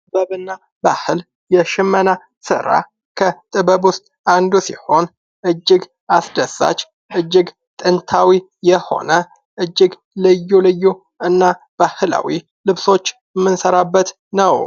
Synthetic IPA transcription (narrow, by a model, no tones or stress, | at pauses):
tt̪ʼɨbəβɨnːa | bahɨl | jɛʃɪmːəna | sɨ̰ɾa̰ | kʰət̪ʼɨβəβʊst̪ʼ | and̪usiho̞n | ʔɨd͡ʒːɪɡ | asd̪əsa̰t͡ʃː | ʔɨd͡ʒːɪɡ | t̪ʼɨnt̪ʰawi | jɛho̞̰nə | ʔɨd͡ʒːɪɡ | lɨjːulɨjːu | ɨnːa | b̥ahɨla̰wi | lɨβso̞t͡ʃːjɛmːɨnsəɾabːət̪ | nəw